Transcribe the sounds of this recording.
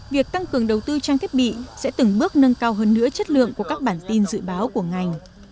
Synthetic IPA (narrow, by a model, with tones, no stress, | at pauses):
vi˨˩ək̚t̪a˧ŋkɨ˨˩əŋɗə˨˩wt̪ɨ˧t͡ɕaː˧ŋt̪̚ʰɓḭ˧˨sɛ̰˧˥t̪ɨ˨˩ŋɓɨ˦˥ək̚nə˧nkaː˧wɦəː˧nːɨ̰˧˥ət͡ɕə˦˥t̚lɨ̰˧˨əŋku˧˩əkaː˦˥k̚ɓaː˧˩nt̪i˧nzɨ̰˧˨ɓaː˨˦wku˧˩əŋa˨˩jŋ̟